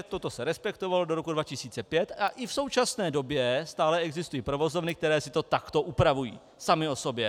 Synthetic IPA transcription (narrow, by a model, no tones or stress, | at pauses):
t̪o̞t̪o̞sɛɾɛspɛkt̪o̞valo̞do̞ɾokudvacɪsiːt͡sɛpjɛt̪aʔɪfso̞wt͡ʃasnɛːdo̞bjɛst̪aːlɛɛɡzɪst̪ujiːpɾo̞vo̞zo̞vnɪk̚t̪ɛɾɛːsɪ̥t̪o̞t̪akt̪o̞ʔupɾavujḭː | samɪo̞so̞bjɛ